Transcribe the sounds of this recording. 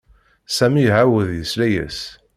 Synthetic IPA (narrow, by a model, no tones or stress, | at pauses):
sæmiɦawəðjəslæjə̰s